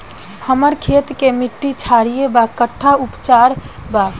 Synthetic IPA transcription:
həməɾkʰet̪kemiʈːit͡ʃʰaɽijebakəʈʰːaupt͡ʃaɾba

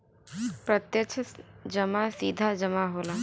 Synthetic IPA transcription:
pɾət̪jət͡ʃʰd͡ʒəmasiːd̪ʱad͡ʒəmaɦola

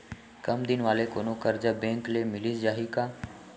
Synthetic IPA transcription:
kəmd̪ɪnʋaːleːkoːnoːkəɾd͡ʒaːbẽːŋkleːmɪliːsd͡ʒaːɦiːkaː

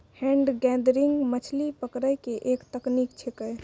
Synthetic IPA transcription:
hɛ̃ɳɖɡɛ̃d̪ɾiŋɡmət͡ʃʰlipəkɾəjkeʔekt̪əknikt͡ʃʰekəj

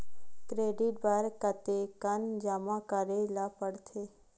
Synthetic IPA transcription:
kɾeɖiʈ̚baɾkət̪ekənd͡ʒamãkəɾelapəɽt̪ʰe

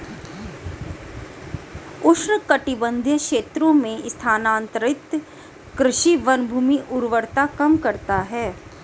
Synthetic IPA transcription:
ʊʃɳəkɐʈɪbə̃nd̪ʱjəkʃeːt̪ɾõmẽst̪ʰaːnãːnt̪əɾɪt̪ | kɾɪʃiʋɐnbʱuːmiʔʊɾʋəɾt̪akɐmkɐɾt̪aɦɛː

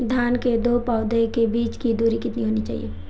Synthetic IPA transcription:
d̪ʱjaːnked̪opaːʊd̪ekebiːt͡ʃkid̪uːɾikɪt̪niɦoːnit͡ʃa̰ːɦḭje

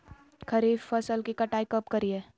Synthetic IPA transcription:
kʰɐɾiːffɐsəlkikɐʈaːikɐp̚kɐɾiɛː

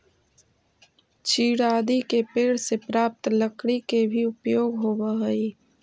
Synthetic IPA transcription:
t͡ʃiːɽaːd̪ikepeːɽsepɾaːp̚t̪ləkɽikebʱiʊpjoːɡɦoːbəɦəiː

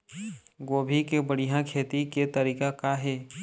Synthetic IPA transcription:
ɡoːbʱikebəɽijãkʰeːt̪iket̪əɾiːkakaɦɛː

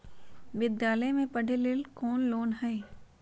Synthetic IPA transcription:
ʋɪd̪jaːləjmẽpɐɽ̤ʱelɪlkoːnloːnɦɛe

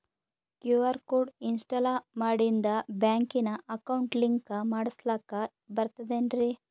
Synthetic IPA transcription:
kjuʋɐɾkuːɖinsʈɐlamaːɽind̪ɐbjaːŋkinɐʔɐkɐwɳʈliŋkɐmaːɽislaːkɐ | bɐɾt̪ɐd̪enɾi

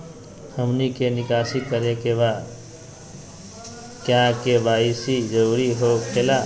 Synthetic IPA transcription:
həmnikenikasikəɾekeba | kjãkebaisid͡ʒəwɾiɦokela

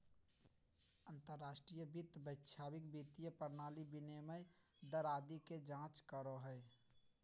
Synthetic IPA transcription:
ənt̪əɾːaːʃʈɾijəbit̪bəɪtːʃʰaːbɪkbit̪ijəpəɾnaːlibinemə | d̪əɾaːd̪iked͡ʒãːt͡ʃkəɾoɦəe

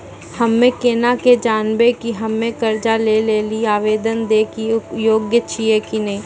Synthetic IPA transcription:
hɐmːẽkeːnaked͡ʒaːnbekiɦɐmːẽkɐɾd͡ʒaleleːliaːʋeːd̪ənd̪eːkijoːɡjət͡ʃʰiekinɐɦĩː

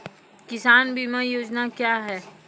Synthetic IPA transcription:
kɪsaːnbʱiːmajoːd͡ʒnakjaːɦɛː

